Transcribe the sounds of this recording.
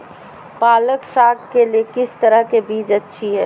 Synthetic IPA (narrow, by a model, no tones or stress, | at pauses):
paːləksaɡkeliekɪst̪əɾəɦkebiːd͡ʒətːʃʰiɦɛ̰ː